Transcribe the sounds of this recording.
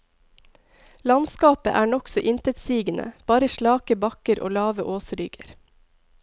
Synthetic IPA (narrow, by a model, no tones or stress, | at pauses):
lɑnskɑːpə̰ʔæːɳɔksɔʔɪnt̪ət̪siːɡənʔə̰b̥ɑːɾəʃɭɑːkəbɑkəɾʔo̰ːlɑːʋəʔoːsɾʏɡəɾ